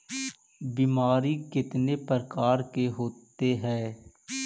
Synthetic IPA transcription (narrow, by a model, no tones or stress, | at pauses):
biːmaːɾikɪt̪nepəɾkaːɾkeɦoːt̪eɦɛː